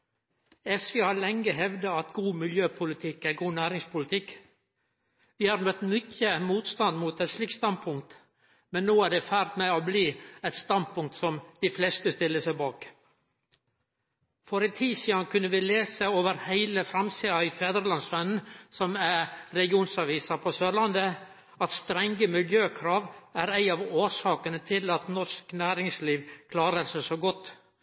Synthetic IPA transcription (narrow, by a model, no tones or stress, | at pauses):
ɛsʋeːhɑɾlɛŋːəɦɛʋd̪əɑt̪ɡuːmɪljøːpʰʊlɪt̪ʰɪkːæɾɡuːnæːɾɪŋspʊlɪt̪ʰɪk | ʋɪːhɑɾnœt̪mʏcːəmuːt̪st̪ɑnd̪muːt̪ɛʂlɪkt̪st̪ɑnd̪̚pʰʊŋk̚t̪ | mɛnːoːæɖɛfæːɾt̪meːobliːɛɪt̪st̪ɑnd̪̚pʰʊŋk̚t̪sɔmd̪̥iflɛst̪əst̪ɪlːəsæɪbɑːk | fɔɾɛt̪ʰiːsiːɑnkʰʉnːəʋɪleːsəoːʋəɾhæɪləfɾɑmsiːɑɪfeːd̪ɾəlɑnsʋɛnn̩sɔmæɾɛlɡɪuːnsɑʋiːsɑpʰɔsøːlɑnd̪ə | ɑt̪st̪ɾɛŋɡəmɪljøːkʰɾɑːʋæɾæɪɑʋoːʂɑːkənət̪ʰɪlɑt̪nɔʂknæːɾɪŋsliːʋkʰlɑːɾəsɛsoɡɔt̪ː